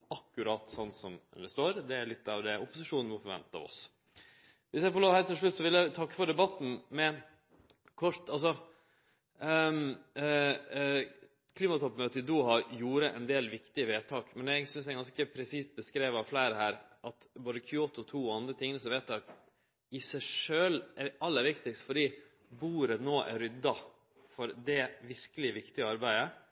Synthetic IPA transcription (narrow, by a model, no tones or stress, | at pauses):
ɑkːʉɾɑːt̪sɔnt̪sɔmd̪ɛst̪oːɾd̪ɛæɭɪt̪ːɑʋd̪ɛʊpʊsɪʂuːnn̩mɔfɔɾʋɛ̰nt̪ːɑ̰ɔ̰s | ʋɪsjæɪfɔloːhæːɾt̪ɪlʂɭʉt̪ːsɔʋɪljæɪt̪ʰɑkːə̥fɔɖɛbɑt̪ːn̩mɛ | kʰɔɾt̪ɑlsɔ | kʰliːmɑt̪ʰɔpːmøːt̪əd̪uːɦɑjuːɾəʔɛ̰nd̪eːlʋɪkt̪ɪəʋeːt̪ʰɑːkmɛnæɡsʏns̬æɪɡɑnskəpʰɾɛsiːst̪̚bəskɾeːʋɑʋflæɪɾəhæːɾʔɑt̪boːd̪əkʰoːt̪ʊt̪ʰuːɔɑnd̪ɾət̪ʰɪŋnəsɔʋeːt̪ʰːɑːk | ɪsæɪʂøːlɛɑlːəɾʋɪkt̪ɪkst̪fɔɖiː | buːɾənoːʔæ̰ɾʏd̪ːɑ | fɔɾd̪ɛʋɪɾkəlɪʋɪkt̪ɪəɑɾbæɪə